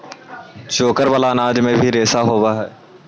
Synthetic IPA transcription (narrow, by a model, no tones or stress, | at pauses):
t͡ʃoːkəɾbɐlaːnaːd͡ʒmẽbʱiɾeːsaɦoːwaɦɛː